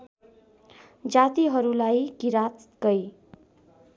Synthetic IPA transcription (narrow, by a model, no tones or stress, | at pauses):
d͡zat̪iɦʌɾulajkiɾat̪ɡʌj